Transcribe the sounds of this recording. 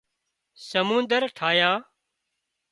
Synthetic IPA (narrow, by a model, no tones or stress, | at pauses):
səmũːnd̪əɾʈʰaːjãː